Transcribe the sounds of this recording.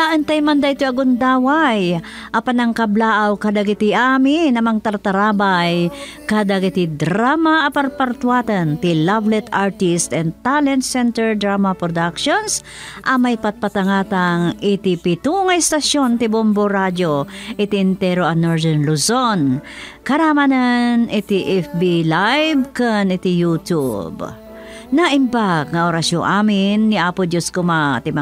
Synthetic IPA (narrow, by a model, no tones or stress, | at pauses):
d̪aʔɐnt̪ɐjmɐnd̪ɐɪt̪oɐɡʊnd̪aːwaj | ʔɐpɐnɐŋkɐblaːʔawkɐd̪aɡɪt̪iʔaminɐmɐŋt̪ɐɾt̪ɐɾaːbaj | kad̪aɡɪt̪id̪ɾamaʔɐpɐɾpɐɾt̪waːt̪ɐnt̪ilavlɛt̪aɹt̪ist̪ɛnd̪̚t̪alɛnt̪sɛnt̪ɛɹd̪ɾamɐpɾod̪akʃons | ʔɐmajpɐt̪̚pɐt̪ɐŋaːt̪ɐŋʔɪt̪ipɪt̪uŋɐjst̪ɐʃjont̪ɪbomboɾad͡ʒoʔɪt̪iʔɪnt̪ɛɾoɐnoɹdɛnlusonkɐɾamananʔɪt̪iʔɛfbilajbkanɪt̪ɪjut̪ṵb | nɐʔɪmbak̚ŋɐʔoɾasjoŋʔaːmɪnːiʔapʊd̪joskʊmat̪ɪma